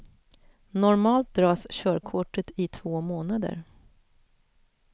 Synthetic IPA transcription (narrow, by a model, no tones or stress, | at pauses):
nɔɾmɑːlt̪̚d̪ɾɑːsɕœːɾkʰʊʈːət̪ɪt̪ʰv̥oːmoːnad̪ə̰ɾ